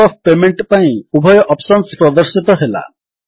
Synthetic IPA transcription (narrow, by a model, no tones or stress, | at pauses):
ɔpʰpemeɳʈpaĩubʱɔjɔʔɔpsɔnspɾɔd̪ɔɾsit̪ɔɦela̰